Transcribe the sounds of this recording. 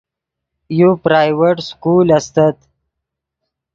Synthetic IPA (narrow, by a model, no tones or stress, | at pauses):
jupɾaːjweʈskuːlɐst̪at̪